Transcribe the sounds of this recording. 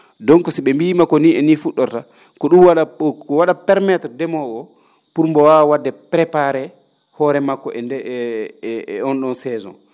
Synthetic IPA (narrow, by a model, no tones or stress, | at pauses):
dɔŋkɔsiɓɛmbimakːɔniɛnifuɗːɔɾta | kɔɗumwaɗakɔwaɗapɛɾmɛtɔdɛmɔɡɔ | puɾmbɔwawadːɛpɾɛpaɾɛ | hɔːɾɛmakːɔʔɛndɛ | ɔnɗɔnsɛːzɔ̰n